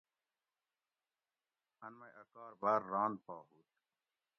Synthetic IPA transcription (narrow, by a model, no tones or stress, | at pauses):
ɐnmɐjʔɐkaːɾbaːɾːaːnpaːɦuːt̪